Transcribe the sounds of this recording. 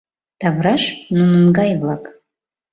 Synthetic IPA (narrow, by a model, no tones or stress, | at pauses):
t̪ʰavraʃnunɨnɡajvlˠapʼ